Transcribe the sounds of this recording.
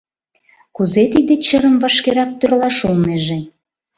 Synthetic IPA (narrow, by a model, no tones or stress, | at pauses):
kuzet̪id̪et͡ɕəɾəmvɑʃkeɾɑk̚t̪ørlɑʃulneʒe